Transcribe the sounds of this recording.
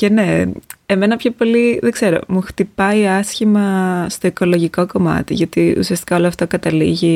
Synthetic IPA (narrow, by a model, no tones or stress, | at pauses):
ce̞ne̞eme̞nɐpço̞po̞liðeɡ̥z̥e̞ɾo̞̰muxt̪ipɐiɐsçimɐst̪o̞eko̞lo̞ʝiko̞ko̞mɐ̰t̪ḭʝɐot̪iṵsiɐst̪i̥kɐo̞loɐft̪ɐkɐt̪ɐlḭʝi